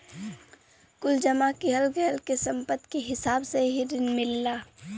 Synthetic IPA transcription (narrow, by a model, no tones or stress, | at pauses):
kʊld͡ʒəmakiɦəlɡəɦəlkesə̃mpət̪keɦɪsaːbseɦiɾɪnmɪlːaː